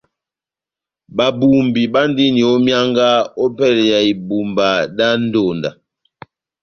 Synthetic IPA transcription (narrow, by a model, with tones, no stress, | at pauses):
ba˨bu˨mbi˨ɓa˦n˦di˦ni˨ɔ˦mja˦ŋɡa˦ɔ˦pɛ˦˨lja˨i˨bu˨mba˨da˦n̩˦do˨nda˨